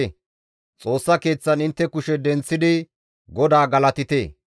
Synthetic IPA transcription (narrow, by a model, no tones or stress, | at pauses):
t͡sʼo̞ːsːɐke̞ːt͡sːɐnɪnt̪ːɛkʊʃɛd̪ɛnt͡sːɪd̪ɪ | ɡɔd̪aːɡɐlɐt̪ɪt̪eː